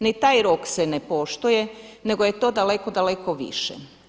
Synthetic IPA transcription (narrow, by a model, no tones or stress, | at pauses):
nit̪aːjɾoksenepo̞ʃt̪oje̞ne̞ɡo̞je̞t̪o̞ːd̪ale̞ko̞d̪aleko̞ʋḭʃɛ̰